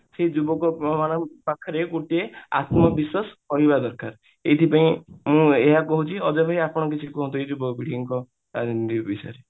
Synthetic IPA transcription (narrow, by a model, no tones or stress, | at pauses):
sed͡ʒubɔkɔmañɔpakʰːɔɾekoʈea̰t̪mɔbisɔsɔɦibad̪ɔɾkaɾ | et̪ʰipaĩmũeɦakɔɦut͡ʃʰiɔd͡ʒɔbʱaiapɔɽ̃ɔkit͡ʃʰikuɦɔ̃nt̪̬ued͡ʒubɔkɔbiɽiŋkɔ | anɾibisa̰ɾe